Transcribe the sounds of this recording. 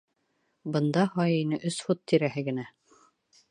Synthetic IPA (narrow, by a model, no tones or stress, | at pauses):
bɤ̆nd̪ɑhɑjinɘʔɵsfut̪ːiɾæhɘɡɘ̆næ